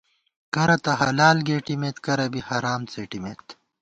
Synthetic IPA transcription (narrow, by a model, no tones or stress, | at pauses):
kɐɾɐt̪ɐɦɐlaːlɡeːʈimet̪kɐɾɐbihɐɾaːmt͡seːʈimet̪